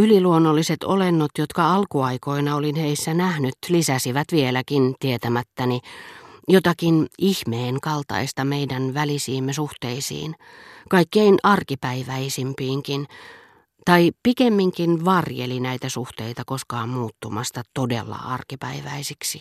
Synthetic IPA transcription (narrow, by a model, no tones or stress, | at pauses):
yliluonːolːiset̪olenːot̪jot̪kɑɑlkuɑikoinɑolinheisːænæhnyt̪lisæsiʋæt̪ʋielækint̪iet̪æmæt̪ːænijot̪ɑkinihmeːŋkɑlt̪ɑ̰ist̪ɑmeidænʋælisiːmːesuht̪eisḭːn | kɑikːeinʔɑrkipæiʋæisimpiːŋkin | t̪ɑipikemːiŋkinʋɑrjḛlinæit̪æsuht̪eit̪ɑkoskɑːmmuːt̪ːumɑst̪ɑt̪odḛlːɑ̰ɑrkipæiʋæisiksi